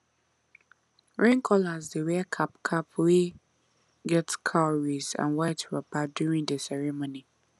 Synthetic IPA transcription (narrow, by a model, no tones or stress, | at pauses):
ɹɛ̃ŋkʰɔlazdewɛkʰapkʰapʰwi | ɡɛtkʰaɹizã̰nwaɪtɹapadjuɹĩŋdəsɛɹimoni